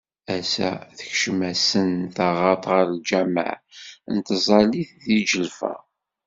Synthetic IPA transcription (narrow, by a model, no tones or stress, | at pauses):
æsæ̰θə̥çʃəmæsənθɑʁɑt̪ˤʁəɾˤld͡ʒæmə̰ʕnt̪əzˤɑliθðid͡ʒəlfæ̰